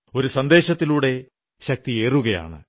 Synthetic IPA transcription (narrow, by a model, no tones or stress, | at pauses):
o̞ɾusɐnd̪e̞ːɕɐt̪ːiluːɽe̞ | ɕɐk̚t̪ie̞ːruɣɐja̰ːɳɨ̰